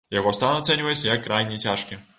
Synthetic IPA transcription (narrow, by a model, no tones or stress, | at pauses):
jaɣɔst̪anɔɐt̪sɛnʲuvɐjɛsʲɐjɐkːɾajnʲɛt͡sʲaʂkʲɛ